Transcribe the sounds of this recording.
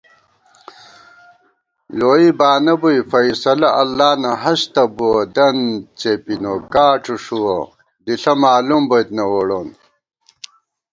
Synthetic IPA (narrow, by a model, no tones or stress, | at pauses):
loːibaːnɐbujfɐjsɐlɐʔɐlːaːnɐɦɐɕt̪ɐbuod̪ɐnt͡ɕepinokaːʈ͡ʂuʂuwo | d̪iɬɐmaːlumbojt̪nɐwoɽon